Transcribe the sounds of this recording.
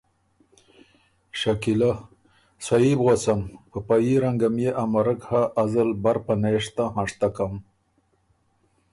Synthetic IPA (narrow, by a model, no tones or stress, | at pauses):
ʃakila | sajibɣosamkəpajiɾaŋɡamjeʔamaɾəkhaʔːzəlbaɾpaneʂt̪aɦãʂt̪akam